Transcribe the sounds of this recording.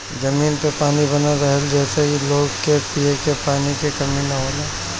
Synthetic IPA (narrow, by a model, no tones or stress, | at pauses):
d͡ʒɐmiːnpepaːnibɐnaɾɐɦəld͡ʒɛːsekiloːɡkepiekepaːnikekɐminɐɦoːlẽː